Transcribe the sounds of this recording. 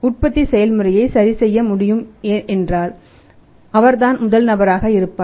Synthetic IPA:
ʊʈ̚pɐt̪ːisɛjɐlmɯrɐjɐɪsɐɾisɛjːɐmʊɽɪjɯmʔɛndraːl | ɐʋɐɾðaːnmʊðɐlnɐbɐɾaːɣɐɪɾɯpːaː

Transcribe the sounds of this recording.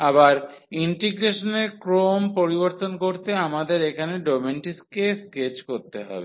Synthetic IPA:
abaɾ | iɳʈiɡɾeʃoneɾkɾompoɾiboɾt̪onkoɾt̪eamad̪eɾekʰaneɖomeɳʈiskesket͡ɕkoɾt̪eɦɔ̰be

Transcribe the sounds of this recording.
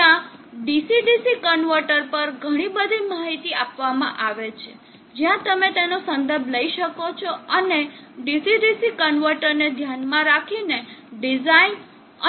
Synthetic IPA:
ãɖisiɖisikənʋəɾʈəɾpəɾɡʱəɽ̃ibəd̪ʱimaɦit̪iapʋamã̰ʔaʋet͡ʃʰe | d͡ʒjãt̪əmet̪enosə̃nd̪əɾbʱləiʃəkot͡ʃʰoəne | ɖisiɖisikənʋəɾʈəɾned̪ʱjanmãɾakʰineɖid͡ʒain | ə

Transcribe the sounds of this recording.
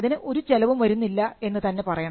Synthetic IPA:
ɐðinɨʔo̞ɾut͡ɕelɐʋumʋɐɾunːilːɐe̞nːɨt̪ɐnːe̞pɐrɐjɐɳ

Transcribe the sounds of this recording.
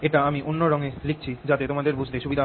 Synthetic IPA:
eʈaamiʔonːoɾɔŋelik̚ʰt͡ɕʰid͡ʑat̪et̪omad̪eɾbud͡ʑʱd̪eʃubid̪ʱa

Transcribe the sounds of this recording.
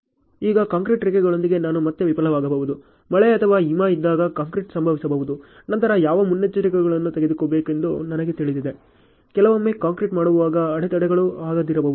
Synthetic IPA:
iːɡɐkaːŋkɾiʈɾikɛɡɐɭo̞nd̪iɡe̞naːnumɐt̪ːjeʋipɐlɐʋaːɡɐbɐʋud̪u | mɐɭɛɐt̪ʰɐʋaːɦimaːid̪ːaːɡɐkaːŋkɾiʈsɐmbʱɐʋisɐbɐːʋud̪u | nɐnt̪ɐɾɐjaːʋɐmunːɐt͡ʃːɐɾikɛɡɐɭɐnːut̪eɡed̪ikoːbe̞ːke̞nd̪unɐnɐɡet̪iɭid̪id̪e̞ | kɛlɐʋomːeːkaːŋkɾiʈmaːɽuʋʋaːɡɐɐɽɛt̪ɐɽɛɡɐɭuaːɡɐd̪iɾɐbɐːʋuu

